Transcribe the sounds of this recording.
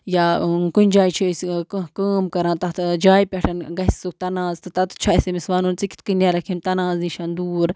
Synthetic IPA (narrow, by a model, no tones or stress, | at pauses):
jakunʲd͡ʒaːit͡ʃʰiskəkəːmkɐɾãːnt̪ɐt̪d͡ʒaːjpʲeʈʰɐnɡɐsʲsuk̚t̪ɐnãːzt̪ɨt̪ɐt̪u̥t͡ʃʰasimisʋaːnunt͡sikʲi̥t̪kɨnʲaɾɐkʰimt̪ɐnaːznĩʃɐnd̪uːɾ